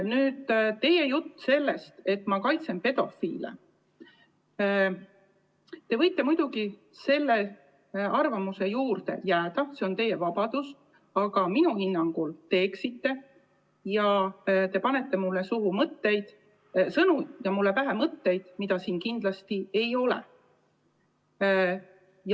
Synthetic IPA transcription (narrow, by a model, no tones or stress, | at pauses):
nyːd̪̥t̪e̞je̞jut̪ːse̞lːe̞st̪e̞t̪ːˑmɑkɑjt̪se̞npe̞d̪̥o̞fiːlḛ | t̪e̞vɤjt̪ːˑe̞mujd̪̥uɡi | se̞lːe | ɑrvɑmuse̞juːrt̪e̞̰jæːd̪̥ɑse̞o̞nt̪e̞jːe̞vɑbɑd̪̥ust̪ | ɑɡ̥ɑminuhinːɑŋɡult̪e̞ːksit̪ːe̞ | jɑt̪e̞pɑne̞t̪ːe̞mulːesuɦumɤt̪ːe̞jd̪̥ | sɤnujɑmulːe̞væɦemɤt̪ːe̞jd̪̥mid̪̥ɑsiːnkind̪̥lɑst̪ie̞jo̞lḛ | j